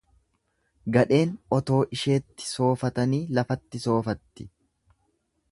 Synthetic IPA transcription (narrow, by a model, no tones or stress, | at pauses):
ɡɐᶑe̞ːnʔɔt̪o̞ːʔɪʃe̞ːt̪ːɪ̥so̞ːfɐt̪ɐniːlɐfɐt̪ːɪso̞ːfɐt̪ːɪ